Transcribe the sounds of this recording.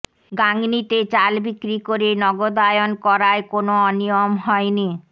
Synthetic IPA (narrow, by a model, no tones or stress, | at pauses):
ɡaŋnit̪et͡ɕalbikɾikoɾenɔɡod̪ajonkɔɾaekonoɔnijomɦɔeni